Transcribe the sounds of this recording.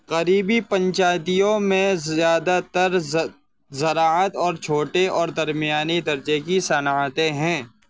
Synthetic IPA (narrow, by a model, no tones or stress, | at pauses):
qɐɾiːbipə̃ɲt͡ʃaːt̪ijõmẽzjaːd̪at̪əɾ | zɐɾaːət̪ɔːɾt͡ʃʰoːʈeɔːɾd̪ɐɾmijaːnid̪ɐɾd͡ʒekisɐnaːt̪ẽɦɛ̃ː